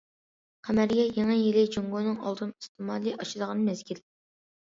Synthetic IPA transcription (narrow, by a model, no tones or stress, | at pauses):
qʰæmæɾɡʲɛjeŋɨjilɪd͡ʒoŋɡonɨŋɑ̰lˠd̪ɨnist̪ɨmɑlˠiʔɑʃid̪əʁɑnmɛzɡʲil